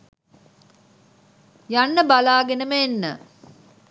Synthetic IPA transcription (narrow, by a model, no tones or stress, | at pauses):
janːəbalaːɡenəməenːə̰